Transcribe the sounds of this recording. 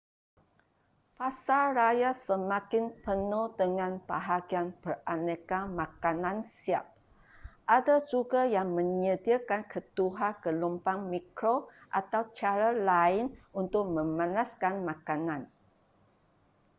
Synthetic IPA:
pasaɾajasəmãkɪnpənudəŋãnbaɦaɡianpəranəkamakanãnsiap̚ | ʔadad͡ʒuɡajaŋmə̃ɲədiakankʰət̪uɦakəlumpaŋmikɾoʔat̪awt͡ʃaɾalaɪnunt̪ʊk̚mə̃mãnaskanmãkanãn

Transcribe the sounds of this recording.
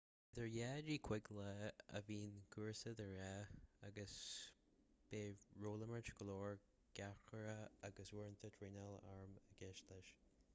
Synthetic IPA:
ðəɹjɛd͡ʒiːkʰw̥ɪɡləə̰viːnɡuɹsəðəɹɛaɡəs | b̥eːɹoːləməɹt͡ʃɡəlɔːɹ | ɡ̥axəɹəaɡəswɪɹnt̪ʰətʰɹinɛlaɹməɡ̥ɪʃləʃ

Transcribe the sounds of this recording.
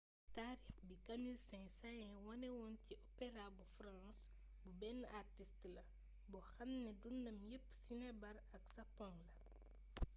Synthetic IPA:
taːɾixbikɐmilsɛ̃ŋsajɛ̃wɔnɛwɔnciʔɔpɛɾabufrãns | bubɛnːartistlɐ | bɔxɐmnɛdundɐmjəpːsinɛbɐɾɐksɐpːɔŋlɐ

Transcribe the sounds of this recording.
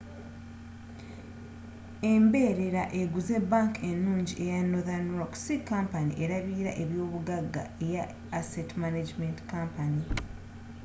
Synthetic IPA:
e̞mbe̞ɾe̞ɾaʔe̞ɡuze̞bːaŋke̞nːuːɲɟiʔe̞janːoðanɾoksikampanḭʔeɾaβiːɾa̰ʔe̞βjo̞ːβuɡaɡːa̰ejaː | setmanad͡ʒmentkampani

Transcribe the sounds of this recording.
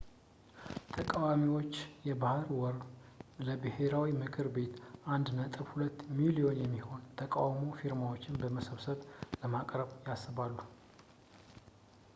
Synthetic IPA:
t̪ʰəkʼawamiwo̞t͡ʃːjɛbahɨɾwɔɾləbɨhe̞ɾawimɨkʰɨɾbe̞t̪ʔand̪nət̪ʼɨβhulət̪ːmilijo̞njɛmːiho̞nt̪ʰəkʼawmofiɾmawo̞t͡ʃːɪnbəməsəβsəβləmakʼɾəβjasːɨβalːu

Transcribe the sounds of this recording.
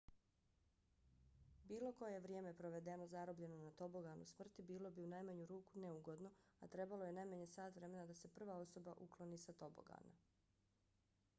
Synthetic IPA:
biːlˠo̞ko̞jeʋɾjeːme̞pɾoʋe̞d̪e̞no̞zaɾobʎe̞nonat̪o̞boɡanṵsmr̩t̪ibiːlo̞biunajmaɲuɾuːkuneuɡo̞d̪no̞at̪ɾe̞baloje̞najmaɲesaːt̪ʋɾe̞me̞nad̪ase̞pr̩ʋao̞so̞baʔukloniːsat̪o̞bo̰ɡa̰na

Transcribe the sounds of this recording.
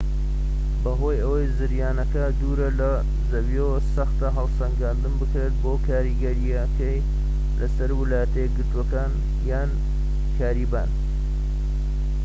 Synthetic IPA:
bɐɦo̞ːjɐwɐjzɨɾjaːnɐkɐd̪uːɾɐlɐ | zɐwiowsɐxt̪ɐɦɐlsɐŋɡaːnd̪ɨmbɨkɾeːt̪̚boːkʰaːɾiɡɐɾijɐkɐj | lɐsɐɾwɨlaːjɐt̪ejɡɨɾt̪uwɐkaːn | jaːn | kʰaːɾiːba̰ːn

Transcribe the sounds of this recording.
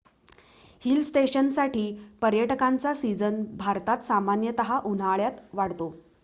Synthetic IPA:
hilsʈeɕənsaʈiːpəɾjəʈəkant͡sasid͡zənbʱaɾt̪at̪samanjət̪əɦaʔun̤aɭjat̪ʋaɽt̪o

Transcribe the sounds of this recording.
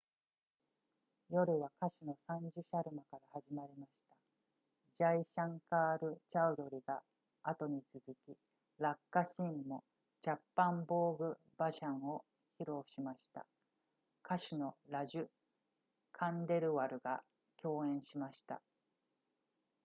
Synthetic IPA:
jo̞ɾɯ̟βakaɕino̞sãɲ̟d͡ʑɨɕaɾɯ̟makaɾahaʑimaɾʲimaɕi̥t̪a | d͡ʑaiɕãŋkaːɾɯ̟t͡ɕaɯ̟d̪o̞ɾʲiɡaː | t̪o̞ɲ̟it͡sɨzɨkʲi | ɾakːaɕĩmːo̞ | t͡ɕapːãmbo̞ːɡɯ̟ | baɕãɰ̃o̞ | çiɾo̞ːɕimaɕi̥t̪a̰ | kaɕino̞ɾaʑɨ | kʰãnd̪e̞ɾɯ̟βaɾɯ̟ɡa̰ | kʲo̞ːẽ̞ɰ̃ɕimaɕi̥t̪a̰

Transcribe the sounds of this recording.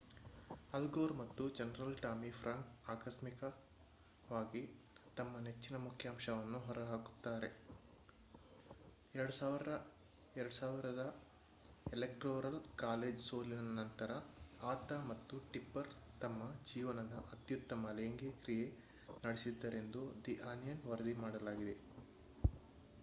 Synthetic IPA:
ɐlɡoːɾmɐt̪ːud͡ʒɐnɐɾɐlʈaːmipʰɾɐŋkaːkɐsmikɐ | ʋaːɡi | t̪ɐmːɐnet͡ʃːinɐmukʰjaːmʃɐʋɐnːuɦɔɾɐɦaːku̥t̪ːaːɾe̞̰ | ɛɾɐɽusaʋɐ | ɛɾɐɽusaːʋiɾɐd̪ɐ | elekʈɾoːɾɐlkaːleːd͡ʒso̞ːlinɐnɐnt̪ɐɾɐaːt̪ɐmɐt̪ːuʈipːɐɾt̪ɐmːɐd͡ʒiːʋɐnɐd̪ɐʔɐt̪jut̪ːɐmɐleːŋɡekɾije̞ | nɐɽesid̪ːɐɾe̞nd̪ud̪iʔaːnijɐnʋɐɾɐd̪imaːɽɐlaːɡid̪e̞

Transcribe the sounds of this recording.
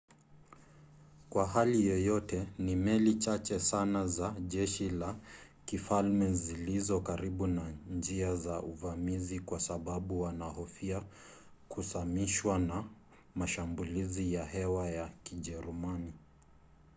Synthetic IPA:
kwaɦalijɔjɔtɛnimɛlit͡ʃat͡ʃɛsanazaʄɛʃila | kifalmɛzilizɔkaɾiɓunand͡ʒiazaʔuvamizikwasaɓaɓuwanahɔfia | kusamiʃwana | maʃambulizijaɦɛwajakiʄɛɾumani

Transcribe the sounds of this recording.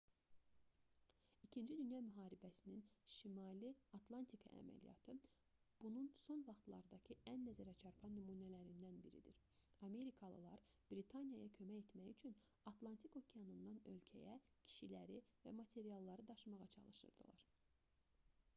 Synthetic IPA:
icʰind͡ʒid̪ynjɑmyɦɑːɾibæsininʃimɑliɑt̪lˠɑnt̪ʰikʰɑ̰æ̰mæ̰lḭjɑ̰t̪ʰɯ | b̥ununso̞nvɑχt̪lˠɑ̰ɾd̪ɑcʰɯænːæzæɾæt͡ʃʰɑɾpʰɑnymuːnælæɾind̪ænbḭɾḭd̪ḭɾ | ɑme̞ɾikʰɑlˠɯ̰lˠɑɾ | b̥ɾit̪ʰɑnijɑjɑcʰø̞mæje̞t̪mæjyt͡ʃʰyn | ɑt̪ʰlˠɑnt̪ʰiko̞cʰejɑnɯnd̪ɑnø̞̰lcʰæ̰jæ | cʰi̥ʃilæɾivæ̰mɑt̪ʰe̞ɾijɑlˠːɑɾɯd̪ɑʃɯmɑʁɑt͡ʃʰɑ̰lˠɯʃɯ̰ɾd̪ɯ̰lˠɑ̰ɾ

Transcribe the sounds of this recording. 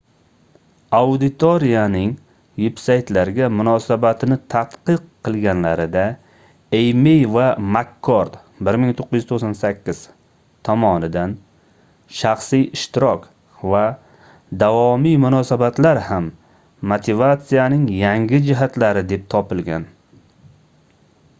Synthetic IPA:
awd̪ɪt̪ʰoɾijanɪŋ | vepsajt̪laɾɡʲamʊnɒsabat̪ʰɪnɪt̪ʰat̪qɨqʰːɨlˠɡʲanlaɾɪd̪a | ejmejvamakʰːoɾd̪ | bɪɾmɪŋt̪ʰoqːɨzjyz̥t̪oqsansakʲʰːɪz̥ | t̪ʰɒmɒnɪd̪an | ʃaχsijɪʃt̪ɪɾɒk | va | d̪avɒmijmʊnɒsabat̪laɾhamː | ot̪ʰɪvat̪sijanɪŋjaŋɡʲɪd͡ʒɪɦat̪laɾɪd̪e̞p̚t̪ʰɒpɪlˠɡʲan

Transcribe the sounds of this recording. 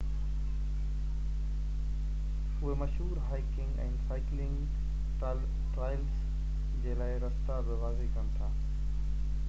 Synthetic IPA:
ʊɦemɐʃɦuːɾɦaːɪkɪ̃ŋɡɛ̰̃ːnsaːɪklɪ̃ŋɡ | ʈ | ʈɾaːɪls | d͡ʑeːlaːɪɾɐst̪abɪʋaːzekɐɽ̃t̪ʰaː

